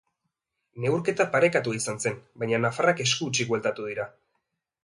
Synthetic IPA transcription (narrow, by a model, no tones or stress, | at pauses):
ne̞wɾke̞t̪apaɾe̞kat̪uaisanse̞nbaɲanafarake̞skuːt͡ʃiɡwelt̪at̪uðiɾa